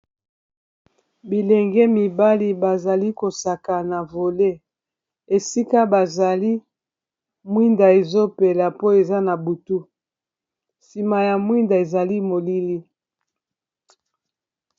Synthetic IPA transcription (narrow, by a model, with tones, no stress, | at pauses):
bi˨lɛ˨ŋɡɛ˦mi˨ba˦li˦ba˨za˨li˦ko˨sa˨ka˨na˨vo˨le˦ | e˨si˦ka˦ba˨za˨li˦ | mwi˦nda˨e˨zo˦pe˨la˨po˦e˨za˦na˨bu˨tu˦ | si˨ma˨ja˨mwi˦nda˨e˨za˨li˦mo˨li˦li˦